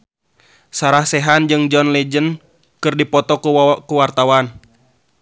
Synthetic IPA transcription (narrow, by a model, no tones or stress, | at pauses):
saɾahsɛɦand͡ʒɨŋd͡ʒɔnlɛd͡ʒən | kɨrdipɔt̪ɔkukuwart̪awan